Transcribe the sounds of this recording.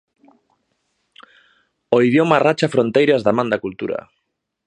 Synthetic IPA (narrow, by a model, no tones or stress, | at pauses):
oiðjomarat͡ʃafɾont̪ejɾazðamãnd̪akult̪uɾa̰